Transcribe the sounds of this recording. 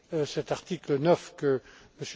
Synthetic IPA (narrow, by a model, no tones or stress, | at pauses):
sɛt̪aʁt̪iklənœfkəməs